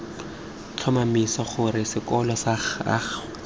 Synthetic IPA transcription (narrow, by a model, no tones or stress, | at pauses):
t͡ɬʰɔmamisaχʊɾɪsɪkɔlɔsaχa̰χ